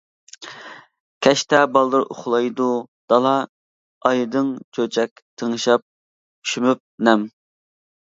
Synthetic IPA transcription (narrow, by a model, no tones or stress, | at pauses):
kʲʰɛʃt̪ɛbɑlˠd̪ɨɾoχlˠɑjd̪ud̪̥ɑlˠɑ | ɑjd̪ɨŋt͡ʃʰøt͡ʃʰɛkʲt̪ʰəŋɨʃɑp̚ | y̥ʃymyp̚nɛm